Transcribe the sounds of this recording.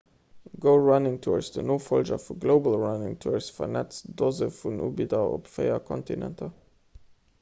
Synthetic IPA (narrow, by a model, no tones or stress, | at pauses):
ɡoʊɹanɪŋtʰuːɹsdənoːfɔlʒɐ̰fuɡloʊbəl̩ɹanɪŋtʰuːɹsfɐnɛt͡sd̥ozəfunṵːbidɐʔo̰pfeɪɐkʰɔntinɛ̰ntʰɐ